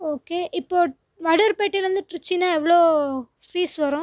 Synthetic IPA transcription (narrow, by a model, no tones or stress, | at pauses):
oːkeːʔɪpːoː | mɐɽɐɾpeːʈːiɾɯnd̪ɯʈɪɾɯt͡ʃːinaːɛʋːɐɭoː | fiːsʋɐɾʊ̃